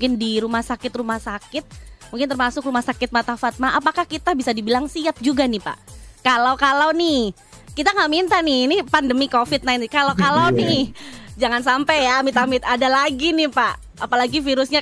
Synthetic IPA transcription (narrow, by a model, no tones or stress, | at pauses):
ŋkɪndiɾumahsakɪt̪rumahsakɪt̪̚mũŋkɪnt̪ərmasʊkrumahsakɪt̪̚mat̪afat̪̚maʔapakahkit̪abisadibilaŋsiap̪̚d͡ʒuɡanɪpa̰ʔkalawkalawnɪ | kit̪aŋaʔmint̪anɪnipandəmikofɪt̪̚najnkalokalawnɪd͡ʒaŋans̬ampɛjamɪt̪amɪt̪adalaɡinɪhpaʔ | apalaɡifiɾʊsɲa